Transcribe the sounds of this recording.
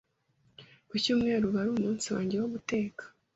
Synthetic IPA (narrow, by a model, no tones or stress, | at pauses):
kucuːmŋe̞ːɾuβaɾuːmuːnsiwa̰ːɲɟe̞woβute̞ːkḁ